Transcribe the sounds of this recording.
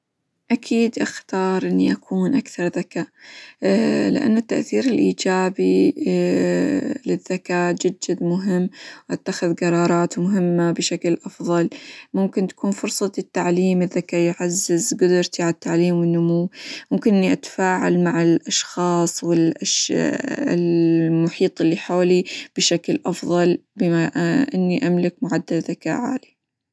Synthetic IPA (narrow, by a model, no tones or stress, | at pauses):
ʔakʰiːd̪ʔaxt̪ɑːɾˤʔɪnːiʔakʰuːnʔakθɑɾˤðakaːʔ | lɪ̰ʔa̰nːʊt̪ːaʔθiːɾɪlʔiːd͡ʒaːbi | lɪðːakaːd͡ʒɪd̪̚d͡ʒɪd̪mʊɦɪmːʔat̪ːaxɪðɡɑɾˤɑːɾˤɑːt̪mʊɦɪmːabɪʃaklʔɑfðˤɑlmʊmkɪnt̪ḁkuːnfʊɾsˤɑt̪ɪt̪ːaʕliːmɪðːakaːjʕazːɪzɡʊd̪ʊɾt̪iʕalat̪ːaʕliːmwɪnːʊmuːmʊmkɪnʔɪnːiʔat̪ḁfaːʕa̰lmaʕɪlʔɑʃxɑːsˤwɪlʔaʃ | ɪ̰lmʊħiːt̪ˤɪlːiħoːlib̥ɪʃaklʔɑfðˤɑlbɪmaʔʔɪnːiʔamlɪkmʊʕad̪ːalðaka̰ːʔʕa̰li